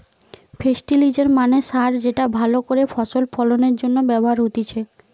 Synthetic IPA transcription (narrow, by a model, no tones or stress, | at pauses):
fʰesʈilid͡ʑeɾmaneʃaɾd͡ʑeʈabʱalokoɾefʰɔʃolfɔloneɾd͡ʑonːobɛboɦaɾɦot̪it͡ɕʰe